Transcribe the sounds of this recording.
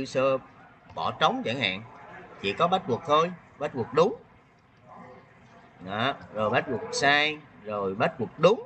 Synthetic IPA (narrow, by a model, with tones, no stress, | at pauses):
ɨ˧səː˧ɓɔ̰˧˩t͡ɕə˨˦wŋ͡mt͡ɕa̰˧˩ŋha̰ː˧˨nt͡ɕḭ˧˥kɔ˨˦ɓa˦˥t̚vu˨˩k̚h̪ʰo˧j | ɓa˦˥t̚vu˨˩ək̚ɗʊ˨˦ŋ͡m | ɗɔ˨˦zo˨˩jɓa˦˥t̚wu˨˩k̚saː˧jzo˨˩jɓa˦˥t̚vu˨˩k̚ɗʊ˨˦ŋ͡m